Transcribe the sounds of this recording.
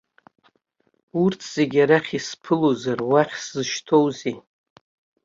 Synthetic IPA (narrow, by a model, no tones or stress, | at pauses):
urtʰz̥e̞ɡʲaɾaχʲispʰɨlozarwaχʲszɨʃtʰo̞wzi